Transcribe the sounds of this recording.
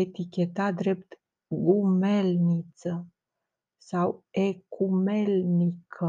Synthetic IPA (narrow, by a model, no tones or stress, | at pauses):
et̪ikʲe̞t̪ad̪ɾe̞pt̪ | ɡume̞lnit̪sə | sawekume̞lnikʰə